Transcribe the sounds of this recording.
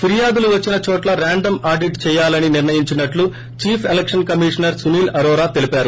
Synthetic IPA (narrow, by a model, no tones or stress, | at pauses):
pʰiɾijaːd̪uluʋɐt͡ʃːinɐt͡ʃɔːʈlɐɾaːɳɖɐmaːɾɖiʈt͡ʃɛːjaːlɐniniɾnɐjiɲt͡ʃinɐʈlu | t͡ʃiːpʰelekʂɐnkɐmiːʂɐnɐɾsuniːlɐɾɔːɾaːt̪e̞lipaːɾu